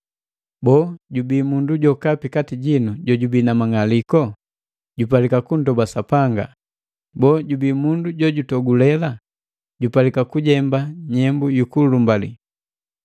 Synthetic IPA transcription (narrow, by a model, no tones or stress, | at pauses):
bɔɟubiːmunduɟɔkapikatiɟinuɟɔɟubinamaŋalikɔ | ɟupalikakundɔbasapaŋɡa̰ | bɔːɟubimunduɟɔɟutɔɡulɛla | ɟupalikakuɟɛmbaɲɛmbujukulumbalḭ